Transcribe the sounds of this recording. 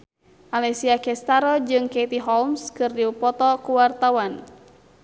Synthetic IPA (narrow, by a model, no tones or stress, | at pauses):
malɛsiakɛst̪aɾɔd͡ʒɨŋkɛit̪iɦɔlmskɨrdiupɔt̪ɔkuwart̪awan